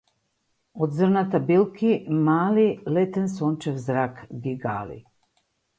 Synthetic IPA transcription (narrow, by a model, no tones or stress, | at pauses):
od̪zərnat̪abilkimaːlilet̪ensont͡ʃewzɾaːkɡiɡa̰ːlḭ